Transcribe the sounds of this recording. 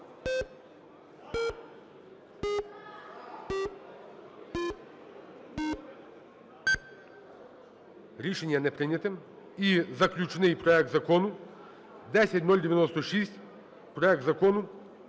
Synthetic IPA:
ɾʲiʃɛnʲijanɛpɾɪnʲɛt̪ɛ | izɐklʲut͡ʃnɪjpɾɔɛk̚t̪zɐkɔnu | d̪ɛsʲɛt̪ʲnɔlʲd̪ʲɛʋʲjɛnɔst̪ɔʃisʲt̪ʲ | pɾɔɛk̚t̪zɐkɔnu

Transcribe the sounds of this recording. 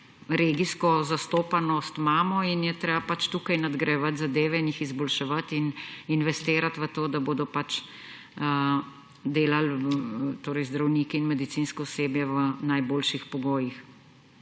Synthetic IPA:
ɾeːɡiskɔzast̪oːpanɔst̪maːmɔinjɛt̪ɾeːbapat͡ʃt̪ukajnad̪ɡɾɛʋat̪zad̪eːʋɛinjixizbɔlʃɛʋat̪ininʋɛst̪eːɾat̪ʋət̪oːd̪aboːd̪ɔpat͡ʃ | d̪eːlalt̪oːɾɛjzd̪ɾawniːkiːnmɛd̪it̪siːnskɔɔseːbjɛʋənajboːlʃixpɔɡoːjix

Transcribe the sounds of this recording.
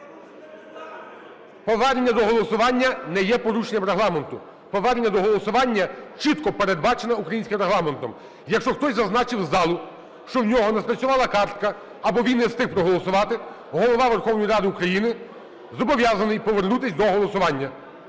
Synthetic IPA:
pɔʋɛɾʲnʲːɐd̪ɔɦɔlˠɔsʊʋɑnʲːɐnɛjɛpɔɾuʃenʲːɐmɾeɦlˠɑment̪ʊ | pɔʋɛɾʲnʲːɐd̪ɔɦɔlˠɔsʊʋɑnʲːɐt͡ʃit̪kɔpeɾed̪bɑt͡ʃenɐukɾɐjinʲsʲkʲɪmreɦlˠɑment̪ɔm | jɐkʃt͡ʃɔxt̪ɔsʲzɐznɑt͡ʃɪwzɑlˠʊ | ʃt͡ʃɔwnʲɔɦɔnɛspɾɐt̪sʲʊʋɑlˠɐkɑrt̪kɐː | bɔʋʲinːɛst̪ɪxpɾɔɦɔlˠɔsʊʋɑt̪ɪ | ɦɔlˠɔʋɑʋerxɔwnɔjiɾɑd̪ɪukɾɐjinɪ | zɔbɔʋʲjɑzɐnɪjpɔʋernut̪ɪsʲd̪ɔɦɔlˠɔsʊʋɑnʲːɐ

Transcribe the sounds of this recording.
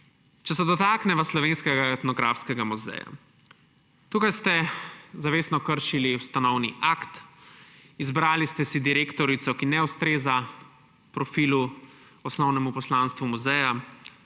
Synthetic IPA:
t͡ʃɛsɛd̪ɔt̪aːknɛʋaslɔʋenskɛɡaɛt̪nɔɡɾaːfskɛɡamuzɛ̰ja̰ | t̪uːkajst̪ɛzaʋeːsnɔkəɾʃiliwst̪anɔwniʔakt̪ | izbɾaːlist̪ɛsid̪iɾekt̪ɔɾit̪sɔkinɛust̪ɾeːza | pɾɔfiːlu | ɔsnɔwnɛmupɔslaːnst̪ʋumuzɛja

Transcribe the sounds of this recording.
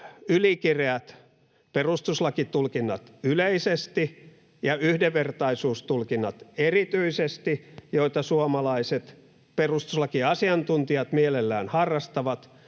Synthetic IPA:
ylikireæt̪ | perust̪uslɑkit̪ulkinːɑt̪yleisest̪i | jɑyhdeʋʋert̪ɑisuːst̪ulkinːɑt̪erit̪yisest̪ijoit̪ɑsuomɑlɑiset̪ | perust̪uslɑkiɑsiɑnt̪unt̪iɑt̪mielelːæːnhɑrːɑst̪ɑʋɑt̪

